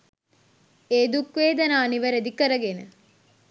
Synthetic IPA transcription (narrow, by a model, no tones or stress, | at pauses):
eːd̪ukʋeːd̪ɐnaːniʋəɾed̪ikəɾəɡenə